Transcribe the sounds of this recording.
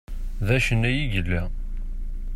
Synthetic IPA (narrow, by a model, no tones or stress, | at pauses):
ðæʃənæjiʝəlːæ